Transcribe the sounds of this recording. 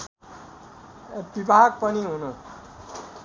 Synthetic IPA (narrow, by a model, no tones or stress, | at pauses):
bibʱaɡ̚pʌniɦunu